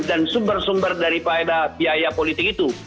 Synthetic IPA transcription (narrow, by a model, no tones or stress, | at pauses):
dansumbərsumbərdaɾipaedabiajapolit̪ɪkit̪u